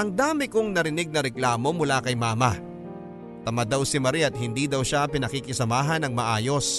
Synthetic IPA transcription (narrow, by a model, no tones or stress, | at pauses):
ʔɐŋd̪aːmɪkoŋnɐɾɪnɪɡ̚nɐɾɛklaːmo̞mʊlakɐjmaːmɐ | t̪ɐmad̪ɐwsɪmɐɾiɐt̪̚hɪnd̪iːd̪ɐwʃapɪnɐkikɪsɐmaːɦɐnɐŋmɐʔaːjo̞s